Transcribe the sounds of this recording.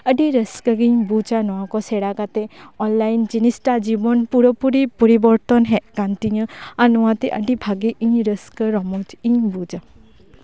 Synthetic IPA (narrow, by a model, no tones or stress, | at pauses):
əɖiɾəskəɡiɲbud͡ʒanɔakɔsɛɽakat̪ɛɔnlajnd͡ʒinisʈad͡ʒibɔnpuɾɔpuɾipɔɾibɔɾt̪ɔnɦɛʔkant̪iɲəanɔwat̪ɛʔə̰ɖibʱaɡeʔĩɲɾəskəɾɔmɔt̪iɲbud͡ʒa